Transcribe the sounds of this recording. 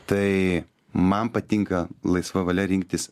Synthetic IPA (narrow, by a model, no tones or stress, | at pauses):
t̪ɐɪ | mɐnpɐt̪ʲɪŋkɐlˠɐɪsʋɐʋɐlʲɛɾʲɪŋk̚t̪ʲɪs